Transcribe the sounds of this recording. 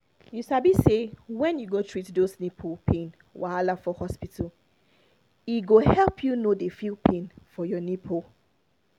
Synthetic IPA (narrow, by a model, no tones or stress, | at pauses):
jusabisewɛ̃njuɡotʰɹitdosnipʰopʰẽn | waalafɔhɔspitʰəl | iɡohɛlpʰjunodefilpʰẽnfɔjɔnipʰo